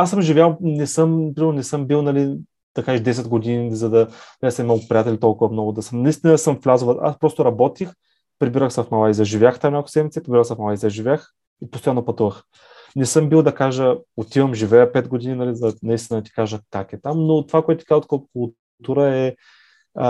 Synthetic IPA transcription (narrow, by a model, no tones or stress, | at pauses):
asːəmʒivʲjawˠnɛsɤmnɐpɾimɛɾnonɛsɤmbilˠnɐli | d̪̥ɐkaʒɛʃd̪ɛs̬ɛd̪ɡod̪inizɐd̪ɐnɐlɛisɐmɛmapɾʲijat̪ɛlʲit̪ɔlˠkʊvɐmnɔɡʊd̪ɐsəmnɐist̪inɐsɤmflʲazovɐʔa̰spɾɔst̪oɾɐbɔt̪ix | pɾibiɾəxsəfmɐlˠaizɐʒivʲjaxt̪amnʲakʊ̥sɛd̪mitsɛpɾibiɾəwsɛfmɐlˠaizɐʒivʲax | ipost̪ojanːopɐt̪uvəx | nɛsɤmbilˠd̪ɐkaʒəot̪ivəmʒivɛjəpɛt̪ɡod̪ininɐlizɐnɐist̪inəd̪t̪i̥kaʒəkakɛt̪amnot̪ovakoɛt̪ʊt̪i̥kazət̪kəkʊlˠ | t̪uɾəɛ